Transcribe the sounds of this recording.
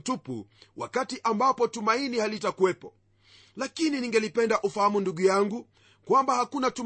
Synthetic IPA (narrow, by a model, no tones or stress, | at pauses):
tupṵwa̰katiʔambapɔtumainihalitakuwɛpɔ | lakininiŋɡɛlipɛndaʔufahamunduɠujaŋɡu | kwambahakunatu